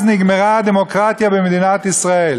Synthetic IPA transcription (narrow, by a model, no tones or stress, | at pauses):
zniɡmeʁad̪emokʁat̪jabemed̪inat̪isʁael